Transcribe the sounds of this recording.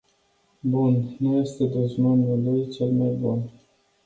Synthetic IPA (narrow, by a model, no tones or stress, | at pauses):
bunnuje̞st̪e̞d̪oznomulujt͡ʃelmajbun